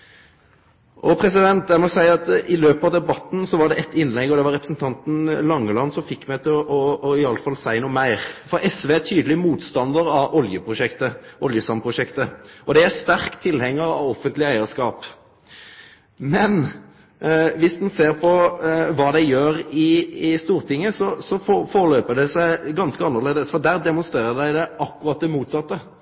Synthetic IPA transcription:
ʔɔpʰɾɛsɪd̪ɛnt̪̚d̪æɾmɔsæɪɑt̪ɪløːpɑʋd̪ɛbɑt̪n̩sɔʋɑɖɛʔɛt̪ːɪnlɛɡːɔd̪ɛʋɑɾɛpɾəsnt̪ʰɑnt̪n̩lɑŋːəlɑnːsɔmfɪkːmæɪt̪ʰɪlʔɔɪɑlːəfɑlsæɪnuːmæɪʁfɔɾɛsʋeːæt̪ʰyːd̪əlɪmuːt̪st̪ɑnd̪əɾɑʔɔljəpʰɾʊʃɛkt̪əʔɔljəsɑmpʰɾʊʂɛkt̪əɔd̪ɛæst̪æʁkt̪ʰɪlhɛŋːəɾɑ̰ʋɔfːənt̪lɪæɪəʁskɑːp | mɛn | ʋɪsd̪nseːʁpʰɔʋɑːd̪ɛjøːʁɪɪst̪uːʁt̪ʰɪŋːəsɔsɔffoːɾəløːpəd̪ɛsæɪɡɑnskəɑnːəʁleːd̪əsfɔd̪æːʁd̪ɛmʊnst̪ʁeːʁəd̪æɪd̪ɛʔɑkːʉʁɑt̪̚d̪ɛmuːt̪sɑt̪ːə

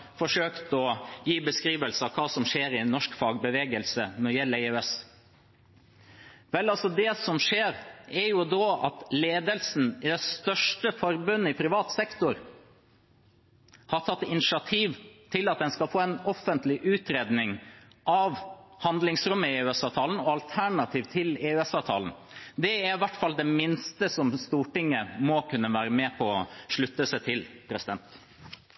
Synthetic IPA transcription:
fɔʂøːkt̪ɔjiːbəskɾiːʋəlsəɑkʰɑːsɔmʂeːɾɪnɔʂkfɑːɡbəʋeːɡəlsənɔɾjɛlːæɪʉɛs | ʋɛlːɑlsɔd̪ɛsɔmʂeːɾɛɾjʊd̪oːɑ̰t̪leːd̪əlsn̩ɪd̪ɛst̪œʂʈəfɔɾbʉnːəɪpʰɾɪʋɑːt̪sɛkt̪ʊɾ | hɑʈʰɑt̪ːɪnɪʂɪɑt̪ʰiːʋt̪ʰɪlɑt̪̚d̪ɛnskɑlfoːɛnɔfənt̪lɪʔʉːt̪ɾeːd̪nɪŋ | ʔɑʋhɑnd̪lɪŋsɾʉmːəɪʉɛsɑːʋt̪ʰɑːln̩ɔɑlt̪ʰæɳɑt̪ʰiːʋt̪ʰɪleːʉɛsɑːʋt̪ʰɑ̰ːln̩ | d̪ɛæɾɪʋæʈːfɑld̪ɛmɪnst̪əsɔmst̪uːʈɪŋːəmɔkʰʉnːəʋæːɾəmɛːpʰɔɔʂɭʉt̪ːəsɛt̪ʰɪlpʰɾɛsɪd̪ɛnt̪

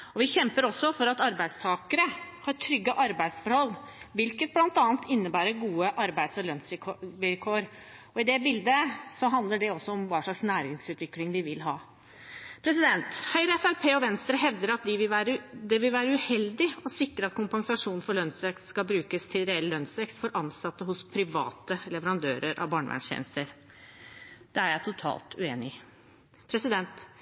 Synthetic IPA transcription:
ɔʋɪçɛmpəɾɔsːɔfɔɾɑt̪ɑɾbæɪd̪st̪ʰɑːkəɾəhɑɾʈʰɾʏɡːəʔɑɾbæɪd̪sfɔɾhɔlː | ʋɪlkət̪̚blɑnt̪ɑːnt̪ʰɪnːəbæːɾəɡuːəʔɑɾbæɪd̪sɔlœnsɪʋɪlkʰoːɾɔɪd̪ɛbɪld̪əsɔɦɑnd̪ləɖɛɔsːɔɔmʋɑːʂɭɑksnæːɾɪŋsʉːt̪ʋɪklɪŋd̪ɪʋɪlɦɑː | pʰɾɛs̬ɪd̪ɛnt̪hœʏɾəɛfæɾpʰeːɔʋɛnst̪ɾəɦɛʋd̪əɾɑt̪d̪ɪʋɪʋæːɾəd̪ɛʋɪlʋæːɾəʉhɛld̪ɪɔsɪkɾəɑt̪kʰʊmpɑŋsɑʂuːnnfɔɭœnsʋɛkst̪skɑbɾʉːkəst̪ʰɪlɾɛɛllœnsʋɛkst̪fɔɾʔɑnsɑt̪ːəɦʊspʰɾɪʋɑ̰ːt̪əlɛʋəɾɑnd̪øːɾəɾʔɑ̰ʋbɑːɳəʋæ̰ɳʂçɛ̰ːnəst̪əɾ | d̪̥ɛæɾjæɪt̪ʰʊt̪ʰɑ̰ːlt̪ʰʉeːnɪ | pʰɾɛsɪd̪ɛnt̪

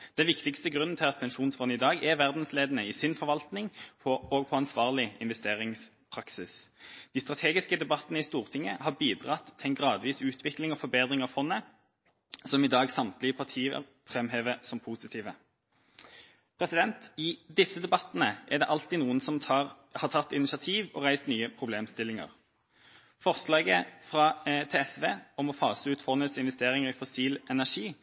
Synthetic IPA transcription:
d̪̥ɛnʋɪkt̪ɪkst̪əɡʁʉnn̩t̪ʰɪlɑt̪̚pʰɛnʃuːnsfɔnɪd̪ɑːɡæʋæʁd̪n̩sleːd̪ənəɪsɪnfɔʁʋɑlt̪nɪŋpʰɔoɡ̚pʰɔɑnsʋɑːʁlɪɪ̰nʋɛst̪eːʁɪŋs | pʰʁɑksɪsd̪̥iːst̪ʁɑt̪ʰeːɡɪskəd̪ɛbɑt̪ːənəɪst̪uːʁt̪ʰɪŋːəhɑbiːd̪ʁɑt̪ʰːɪɛnɡʁɑːd̪ʋiːsʉːt̪ʰʋɪklɪŋɔfɔɾbeːd̪ʁɪŋɑʋfɔnːə | sɔmɪd̪ɑːɡsɑmt̪lɪəpʰɑʁt̪ʰiːə̰ | fʁɛmɦeːʋəsɔmpʰuːsɪt̪ʰiːʋə | pʰʁɛsɪd̪ɛnt̪ɪd̪ɪsːəd̪ɛbɑt̪ːnəʔæd̪ɛ̰ʔɑlt̪iːnuːənsɔmɑ | hɑːt̪ʰɑt̪ːɪnɪsɑt̪ʰiːʋɔ̰ʁæɪst̪nyːəpʰʁʊbleːmst̪ɪlːɪŋə̰ʁ | fɔʁslɑːɡəfʁɑt̪ʰeɛsʋeːɔmɔfɑːsəʉːt̪fɔnːət̪sɪnʋɛst̪eːʁɪŋəʁɪfɔsiːlʔɛnæʂiː

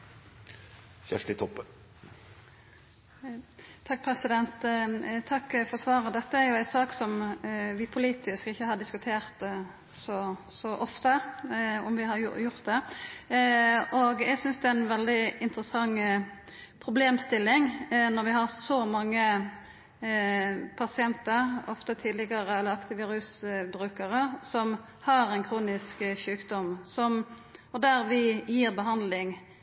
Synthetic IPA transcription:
çæʂʈɪt̪ʰɔpːə | t̪ʰɑk̚ːpʰɾɛsɪd̪ɛnt̪t̪ʰːɑkːfɔʁsʋɑːʁəd̪ɛt̪ːəæɾjʊæɪt̪sɑːksɔmʋɪpʰʊliːt̪ɪskɪçːəhɑɖ̪ɪskʉt̪ʰeːʁt̪ | sɔsɔʔɔft̪əɔmʋɪhɑɾ̰jʊɾt̪̚d̪ɛ | ʔɔɡæɛɪɡsʏnsd̪ɛææɪnʋɛld̪ɪɪnt̪ɾəsɑŋ | pʰɾʊbleːmst̪ɪlːɪŋnɔɾʋɪhɑʁsɔmɑŋːə | pʰɑsɪɛnt̪əɾɔft̪ət̪ʰiːd̪lɪɡɑɾəɛlːəɑkt̪ɪʋiːɾʉsbɾʉːkəɾəsɔm | hɑɾɛnkʰɾuːnɪskʃʉːkd̪ɔmsɔmɔd̪æɾʋɪjiːʁbəɦɑnd̪lɪŋ

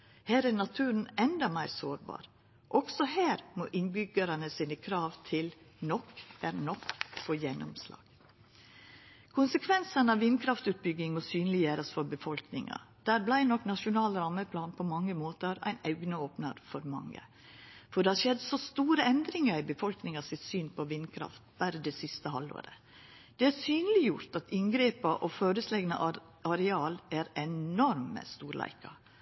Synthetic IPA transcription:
hæːɾænɑt̪ʰʉːɾn̩ɛnd̪ɑmæɪɾsoːɾbɑ̰ːɾ | ʔɔɡ̥sɔheːɾmoːʔɪnbʏɡəɾənəsiːnəkʰɾɑːʋt̪ʰɪlnɔkɛɾnɔkfoːjɛnːʊ̰mslɑ̰ːɡ̥ | kʰʊnsəkʰʋɛnsənɑʋʋɪnkʰɾɑft̪ʉːt̪̚bʏɡɪŋɔsyːnlɪjeːɾəsfɔɾbəfɔlknɪŋɑ̰d̪̥æːɾblæɪnɔkːnɑʂʊnɑːlɾɑmːəpʰlɑːnpʰɔmɑŋːəmoːt̪əɾæ̰ɪnæʉɡnəoːpnəɾfɔɾmɑ̰ŋːə̰ | fɔɖɛhɑɾʂɛd̪sɔst̪uːɾəɛnd̪ɾɪŋɑɾɪbəfɔlknɪŋɑsɪt̪syːnpʰɔʋɪnːkʰɾɑ̰ft̪bæːɾəd̪ɛsɪst̪əhɑlːo̰ːɾə̰ | d̪̥ɛæɾsyːnəlɪjʊɾt̪ɑt̪ʰɪnɡɾeːpɑʔɔføːɾʉslɛɡnə̰ʔ | ɑɾɛɑːlæɾɛɔɾmə̰st̪uːɾlæ̰ɪkɑ̰

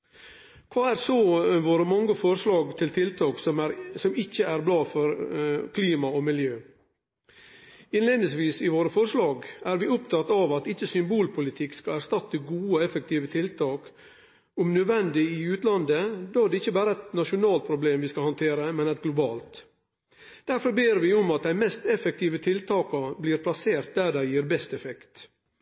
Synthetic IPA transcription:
kʰʋɑːæɾsoʋoːɾəmɑŋːəfɔɾʂlɑːɡt̪ʰɪlt̪ʰɪlt̪ʰɑːksɔɾsɔmɪçːəæɾblɑːfɔɾkʰliːmɑɔmɪljøː | ɪnleːd̪nɪsʋiːsɪʋoːɾəfɔɾʂlɑːɡæɾʋɪʊpt̪ʰɑt̪ːɑʋɑt̪ɪçːəsʏmbuːlpʰʊlɪt̪ʰɪkskɑæɾʂt̪ɑt̪ːəɡuːəɛfək̚t̪iːʋət̪ʰɪlt̪ʰɑːk | ʊmnœʋɛnd̪ɪɪʉːt̪lɑnd̪əd̪oːæɖɛɪçːəbæːɾəɛt̪nɑʃʊnɑːlt̪̚pʰɾʊbleːmʋiːskɑhɑnt̪ʰeːɾəmɛnɛt̪̚ɡlʊbɑːlt̪ | d̪̥æɾfɔɾbeːɾʋɪʊmɑt̪̚d̪æɪmɛst̪ɛfɛk̚t̪ʰiːʋət̪ʰɪlt̪ʰɑːkɑbliːɾpʰlɑseːɾt̪̚d̪æɖæɪjiːɾbɛst̪ɛfɛkt̪

